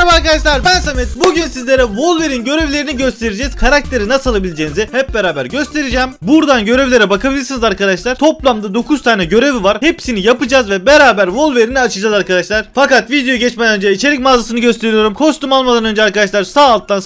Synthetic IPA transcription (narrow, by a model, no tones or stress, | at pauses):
baɾkad̪aʃlˠaɾbænsamɛt̪buɟynsizlʲe̞ɾɛvo̞lˠve̞ɾinɟø̞ɾe̞vlʲe̞ɾiniɟø̞st̪ʰe̞ɾid͡ʒɛz̥kʰaɾak̚t̪ʰe̞ɾinasalˠabilʲid͡ʒeːnizihɛpp̚beɾaːbæɾɟø̞st̪ʰe̞ɾid͡ʒɛːmbuɾd̪anɟø̞ɾevlʲe̞ɾɛbakʰabilʲiɾsinizaɾkad̪aʃlˠaɾt̪ʰo̞plˠamd̪ad̪o̞kʰuzt̪ʰaːnɛɟøɾe̞vivaɾhe̞psinijapɯd͡ʒaːzvɛbeɾaːbæɾvo̞lˠve̞ɾiniat͡ʃʰɯd͡ʒaːzaɾkad̪aʃlˠaɾ̥fakat̪vid̪ejoɟɛt͡ʃmɛd̪ɛnønd͡ʒɛit͡ʃʰe̞lʲicmaːzasɯnɯɟøst̪ʰe̞ɾijo̞ɾumkʰo̞ʃt̪umalˠmad̪anø̞nd͡ʒɛaɾkad̪aʃlˠaɾsaːlˠt̪ːan